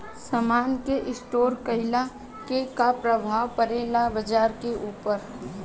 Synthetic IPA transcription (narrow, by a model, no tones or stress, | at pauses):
səmaːnkeʔɪsʈoːɾkəɪla | kekapɾəbʱaːʋpəɾeːlabəd͡ʒaːɾkeʔuːpəɾ